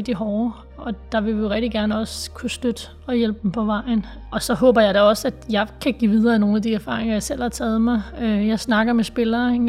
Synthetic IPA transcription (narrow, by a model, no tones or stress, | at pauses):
ɡ̚d̥iɦɒː | ɒ̽d̥ɑ̈ʋe̝ʋiʁɛɡ̥d̥iɡ̥æɐnəɒ̽skʰusd̥ød̥ | ɒ̽jel̰b̥̚d̥m̩pʰɒ̽ʋɑ̈ɪ̰n | ɒ̽sɒ̽hɔ̰̽ːb̥ɐjɑ̈ɪɾ̥æɒ̽sæd̥jɑ̈ɪkʰæɡ̥ḭːʋið̞ˠɐːæno̝ːn̩æd̥iæɐfɑ̰̈ːʁeŋɐjɑsel̰hɑ̈t͡sʰɛːð̩ˠmɑ̈ɪøjɑ̈ɪsnɑ̈ɡ̥ɐmesb̥e̝lɐː